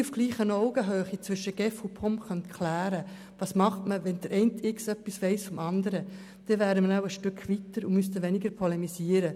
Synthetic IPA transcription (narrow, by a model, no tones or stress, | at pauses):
ufɡ̥liːχənɔʊɡ̥əɦøːχit͡sʋʏʃəɡ̥ɛfʊpʰɔmχœnt̪kʰlæːɾə | vɑːsmɑχtməvɛnd̥̪əɾʔɛɪntɪksœpːisvɛɪsfɔmɑnd̪əɾə | d̥ɛvæːdəməɾaʊəʃtʏkʰvit̪əɾʊmyst̪əvɛnɪɡəɾpʰɔlɛmisiːəɾə